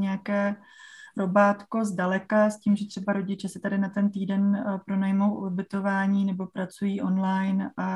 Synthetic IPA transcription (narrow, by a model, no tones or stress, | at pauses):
ɲɛakɛː | ɾobaːt̪ko̞zdalɛkasciːmʒɛt̪r̥ɛbaɾo̞ɟɪt͡ʃɛsɪ̥t̪adɪnat̪ɛnt̪iːdɛnpɾo̞najmowʔobɪt̪o̞vaːɲiːnɛbo̞pɾat͡sujiːʔo̞nlajnʔa